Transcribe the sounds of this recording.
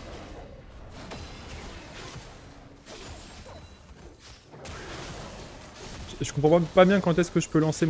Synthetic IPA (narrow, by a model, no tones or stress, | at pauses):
ʒʒəkɔ̃pχɑ̃papabjɛ̃kɑ̃t̪ɛskəʒəpølɑ̃sem